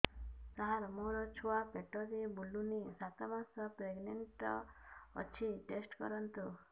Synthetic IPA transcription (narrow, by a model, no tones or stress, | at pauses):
t̪aɦaɾɔmoɾɔt͡ʃʰuapeʈɔɾebulunisat̪ɔbansɔpɾeɡneɳʈɔ̰ː | t͡ʃʰiʈesʈkɔ̰ɾɔnt̪u